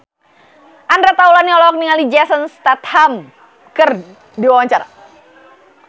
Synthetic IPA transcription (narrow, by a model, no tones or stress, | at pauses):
ʔandɾat̪aulaniɔlɔɔk̚niŋalid͡ʒasənst̪at̪ham | kɨr | diwawaɲt͡ʃaɾa̰